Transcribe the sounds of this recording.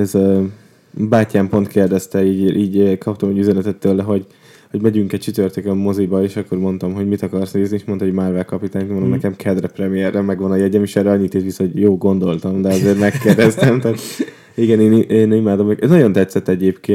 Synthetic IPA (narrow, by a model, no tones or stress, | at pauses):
ɛz | baːcaːmpo̞nt̪keːrd̪ɛst̪ɛiːɟiːɟøkʰɒp̚t̪omɛɟyzɛnɛt̪ɛt̪ːøːlːɛɦo̞ɟ | ho̞ɟmɛɟyŋkɛc̚t͡ʃyt̪ørt̪økɛmːo̞zibɒeːʃɒkːo̞rmo̞nt̪ɒmɦo̞ɟmit̪ɒkɒrsneːznieːʃmo̞nt̪ɒɦoɟmaːrvɛlkɒpit̪aːɲmnomnɛɛkɛmkʰɛd̪rɛprɛmijɛrːɛmːɛɡʋɒnɒjɛɟɛmeːʃɛrɾɛɒɲːit̪et̪ʋisojoːlɡo̞nd̪o̞lt̪ɒmd̪ɛɒzeːɾmɛkkːeːrd̪ɛst̪ɛmt̪aːt̪ | iɡɛneːniʔeːnimaːd̪o̞mɛkɛznɒɟo̞nt̪ɛt̪sɛt̪ːɛɟeːpkeː